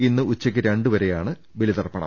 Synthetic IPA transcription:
inːɨʔut͡ɕːɐk̬ʲːɨɾeɳɖɨʋɐɾe̞jaːɳɨ | ʋilit̪ɐrpːɐɳɐ̰m

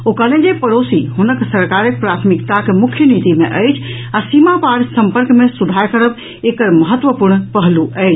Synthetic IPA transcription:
okəlẽd͡ʒepəɾosiɦunəksəɾkaɾək̚pɾat̪ʰmikt̪akemukʰjənit̪imeʔəjt͡ʃʰ | asimapaɽsəmpəɾkmesud̪ʱaɾkəɾəb | ekəɾməɦət̪ːʋəpuɾɳpəɦluʔəjt͡ʃʰ

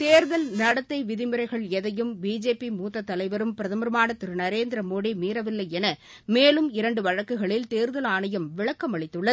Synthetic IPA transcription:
t̪eːɾðɐlnɐɽɐt̪ːɐɪʋɪðɪmɯɾɐɪɣɐɭɛðɐjɯmbiːd͡ʒeːpimuːt̪ːɐt̪ːɐlɐɪʋɐɾɯmpɪɾɐðɐmɐɾɯmaːnɐt̪ːɪɾɯnɐɾeːnd̪ɪɾɐmoːɽimiːɾɐʋɪlːɐɪɛnɐ | meːlɯmɪɾɐɳɖɯʋɐɻɐkːɯɣɐɭɪlt̪eːɾðɐlaːnɐjɐmʋɪɻɐkːɐmɐɭɪt̪ːɯɭːɐ

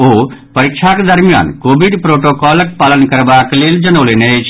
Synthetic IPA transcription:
oːpɐɾɪkʃʰaked̪əɾmija̰ːnkoːbiɖpɾoːʈoːkɔːlək̚paːlənkəɾbakleːld͡ʒənoːleːnet͡ʃʰ

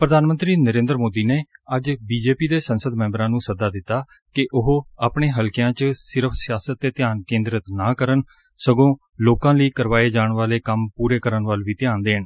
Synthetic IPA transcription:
pɾəd̪ʱaːnmə̃nt̪ɾiːnəɾẽːnd̪əɾmoːd̪iːneːəd͡ʒbiːd͡ʒeːpiːd̪eːsənsəd̪mɛ̃ːmbəɾãːnũːsəd̪aːd̪ɪt̪ːaː | kɪʔʊɦaːpɳeːɦəlkɪjãːt͡ʃsɪɾəpʰsɪjaːsət̪ːeːt̪ɪjaːnkẽːnd̪ɾət̪naːkəɾən | səɡõː | loːkãːləiːkəɾʋaːeːd͡ʒaːɳʋaːleːkəmpuːɾeːkəɾəɳʋəlʋiːt̪ɪjaːnd̪eːɦən

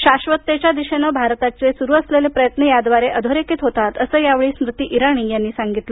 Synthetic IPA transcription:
ɕaɕʋət̪ːet͡ɕad̪iɕenəbʱaɾt̪at͡sesuɾuːəslelepɾəjət̪nəjad̪ʋaɾeʔəd̪ʱoɾekiːt̪ɦot̪at̪əsəːjaʋɭiːsmɾut̪iːʔiɾaɽ̃iːjanːiːsaŋɡit̪lə

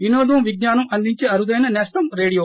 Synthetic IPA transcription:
ʋinoːd̪ɐmʋiɡ̚naːnɐmʔɐnd̪iɲt͡ʃeːɐɾud̪ɐjnɐnɛːst̪ɐmɾeːɽijoː

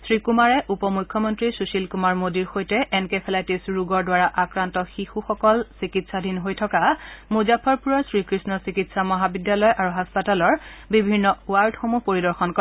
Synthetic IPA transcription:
sɹikumaɹɛʔupɔmujkʰːɔmɔntɹisusilkumaɹmodiɹxojtɛʔɛnkepʰɛlajtisɹuɡɔɹdwaɹaʔakɹantɔxixuxɔkɔlsikitsadʱinɦojtʰɔkamuzapʰɔɹpuɹɔɹsɹikɹisnɔsikitsamɔɦabidjalɔjʔaɹuɦaspatalɔɹbibʱinːɔwaɹtxomupoɹidɔɹxɔnkɔɛ

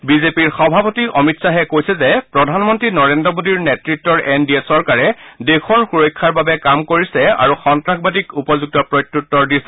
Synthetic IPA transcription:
bizepiɹxɔbʱapotiʔɔmitsaɦɛkojsɛzɛpɹɔdʱanmɔntɹinɔɹendɹɔmodiɹnɛtɹitːɔɹʔɛndiesɔɹkaɹɛdekʰɔɹxuɹɔjkʰːaɹbabɛkamkoɹisɛa̰ɹuxɔntɹakbat̬ikupɔzuɡ̚tɔpɹɔjtɹutːɔɹdisɛ

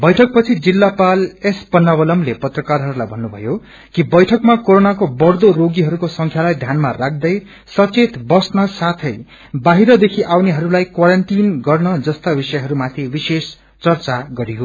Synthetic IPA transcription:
bʌjʈʰʌk̚pʌt͡sʰid͡zilːapalespʌnːabʌlʌmlepʌt̪rʌkarɦʌɾulajbʱʌnːubʱʌ̰jo | kibʌjʈʰʌkmakoɾonakobʌrd̪oɾoɡiɦʌɾukosʌŋkʰjalajd̪ʱjanmarak̚ʰd̪ʌj | sʌt͡set̪bʌsnʌsat̪ʰʌj | baɦiɾʌd̪ekʰiʔawneɦʌɾulajkwaɾʌnʈinɡʌrnʌd͡zʌst̪abisʌjɦʌɾumat̪ʰibises | t͡sʌrt͡saɡʌɾiɦo

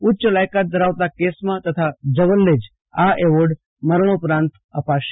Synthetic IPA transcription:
utːt͡ʃəlajkat̪̚d̪əɾaʋt̪akesmãt̪ət̪ʰad͡ʒəʋəlːed͡ʒ | aʔeʋoɖ | məɾɳ̃opɾãnt̪ | əpaʃ

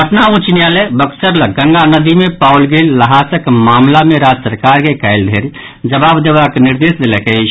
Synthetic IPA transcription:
pəʈnaũt͡ʃnjalebəksəɾləɡə̃ŋɡanəd̪imepawlɡelːəɦasəkmamlameɾad͡ʒsəɾkaɾkekajld̪ʱeɾ | d͡ʒəbabd̪ebakniɾd̪esd̪elɛket͡ʃ

